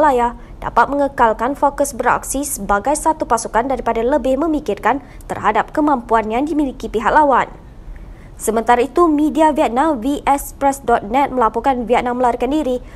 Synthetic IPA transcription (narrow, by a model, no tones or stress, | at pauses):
laja | d̥a̰pat̪̚mə̃ŋəkalkanfokəsbəɾa̰k̚sisəbaɡajsat̪upasukandaɾipadaləbɪhmə̃mikɪrkan | t̪ərɦadap̚kəmãmpuanjãŋdimilikipiɦak̚lawan | səmə̃nt̪aɾait̪umĩdiaviɛt̪̚nãmviʔɛspɾɛsdɔt̪̚nɛt̪̚mə̃lapukanviɛt̪̚nãməlaɾikandiɾi